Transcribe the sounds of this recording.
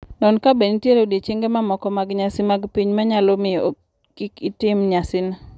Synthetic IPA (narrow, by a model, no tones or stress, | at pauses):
nɔnkabenitjeɾodet͡ʃeŋɡemamɔkɔmaɡɲasɪmaɡpiɲmaɲalomɪ | kɪkitɪmɲasɪna